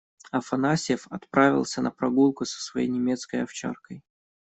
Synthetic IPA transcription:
ɐfɐnasʲɪəfɐt̪pɾavʲɪ̰lˠsʲənəpɾɐɡulˠkʊsə̥svɐjḛjnʲɪmʲe̞t̪skəjɐft͡ɕa̰rkəj

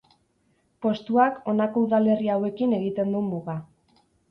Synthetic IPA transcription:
po̞st̪uako̞nako̞uðale̞riawe̞kine̞ɣit̪e̞nd̪umuɣa

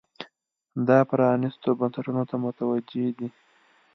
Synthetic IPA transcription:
d̪ɑpɾɑnist̪obansaʈunot̪amʊt̪awad͡ʒed̪i

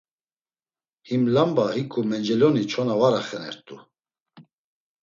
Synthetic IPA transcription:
himlambahikʼumɛnd͡ʒɛljɔnit͡ʃʰɔnavaɾaχɛnɛ̰ɾt̪ʼu

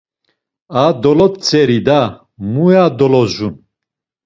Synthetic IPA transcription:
ad̪ɔlɔt̪t͡sʰʼɛɾid̪a | mujad̪ɔlɔʒun

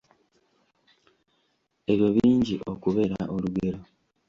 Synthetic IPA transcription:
e̞βjo̞βiːɲɟiʔokuβe̞ɾa̰ʔo̞luɡe̞ɾo̞

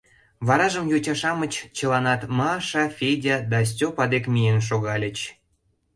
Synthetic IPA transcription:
βɑɾɑʒəmjot͡ɕɑʃɑmət͡ɕt͡ɕəlɑnɑt̪mɑʃɑfʲedʲad̪ɑs̬ʲtʲopɑd̪ekmʲijenʃ̬oɣɑlʲə̆t͡ɕ

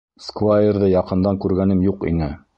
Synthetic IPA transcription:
skvajerðɤjɑqɤ̆nd̪ɑŋkʉɾɡænɘmjuqḭnɘ

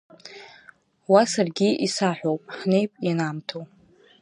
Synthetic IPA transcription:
wasarɡʲiʔisaħʷᶣowpʼħne̞jpʼjinamtʰow

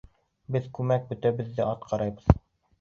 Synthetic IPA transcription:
bɘðkʉmæk̚bɵ̆t̪æβɘ̆ðːɘɑt̪qʰɑɾɑjbɤð

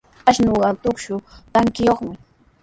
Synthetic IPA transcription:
aʃnoɢɑt̪ʊkʃʊt̪aŋkɪjoχmɪ

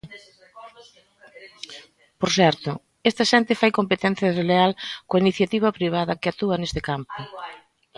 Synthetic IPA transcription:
poɾsɛɾt̪ʊ | est̪ɐʃɛnt̪ɪfajkompet̪ɛn̟θjɐðlealkoainiθjat̪iβ̞ɐpɾiβ̞aðɐkɪat̪uɐnest̪ɪkampʊ

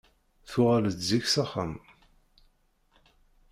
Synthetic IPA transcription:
θʊʁalət̪ziçsaχam

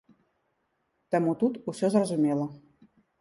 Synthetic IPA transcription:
t̪əmut̪ut̪usʲozrəzumʲelə̆

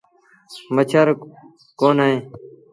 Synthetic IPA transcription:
mət͡ʃʰəɾ | koːnaːẽː

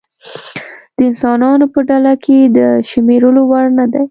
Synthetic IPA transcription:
d̪̥əɪnsɑnɑnopəɖalakʰed̪əʃmeɾəlowaɽnad̪aj

